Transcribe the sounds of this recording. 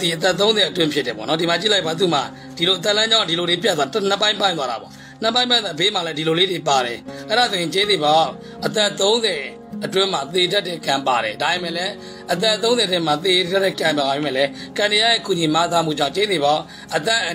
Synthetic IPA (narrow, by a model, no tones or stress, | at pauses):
iʔət̪̬ɛʔt̪̬ːõʊ̃nzɛətwɪ̃mpʰjɪtːɛpɔ̰ʔnɔdimat͡ɕḭlaɪpbat̪̬ṵma̰ | d̥iloʔət̪ɛlãɲd͡ʑãʊ̃diloɾep̬jat̪̬wan̥əpːãɪ̃mpãɪ̃nwaɾa̰bɔ̰ | n̥əpːãɪ̃pãðbem̥alɛdiloleɾepaɾɛ̰ʔɛɾazoɪ̃t͡ɕezeba | ʔət̪ɛʔt̪õʊ̃nzɛ | ʔətwɪ̃m̥at̪edaʔtːɪ̰̃kãmpaɾɛ̰dabemɛ̰lɛ | ʔət̪̬ɛt̪̬õʊ̃zɛtɪ̃mat̪edatɪ̃kãmpababemɛ̰lɛkãndijajekuɲimat̪amṵd͡ʑãʊ̃t͡ɕed̪eba | ʔət̪̬ɛʔ